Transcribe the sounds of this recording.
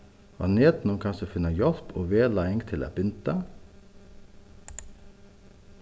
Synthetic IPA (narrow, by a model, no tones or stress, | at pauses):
ɑ̰ːneːd̪n̩ɔmkʰɑnsəfɪnəjɔlpo̰ːʋeːlɑɪɪŋt̪ʰɪlæ̰ːb̥ʏnt̪ə